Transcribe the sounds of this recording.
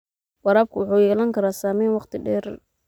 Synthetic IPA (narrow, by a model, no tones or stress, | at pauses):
wɑɾaːb̚kʰʊwʊħuːjɛːlɐŋkʰɐɾaːsaːmɛːnwɑqt̪ʰɪɖɛːɾ